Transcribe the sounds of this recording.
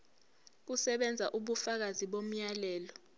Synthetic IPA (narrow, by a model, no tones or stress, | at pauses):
k̬usɛɓɛnd͡zʱaʔuɓufak̬aziɓom̩jalɛːlɔ